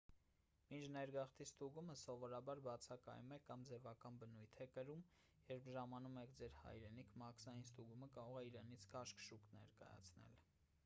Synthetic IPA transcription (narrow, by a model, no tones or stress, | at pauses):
mint͡ʃʰnɛɾɡɑχt̪ʰist̪uɡuməsɔvɔɾɑbɑɾbɑt͡sʰɑkɑ̰jumɛkɑmd͡zɛvɑkɑnbənujt̪ʰɛkəɾum | jɛɾpʰʒɑmɑnumɛkʰd͡zɛɾhɑ̰jɾɛnikʰmɑkʰsɑjinst̪uɡuməkɑɾɔʁɛiɾɛnit͡sʰkʰɑʃkʃuknɛ̰ɾkɑ̰jɑ̰t͡sʰnɛ̰l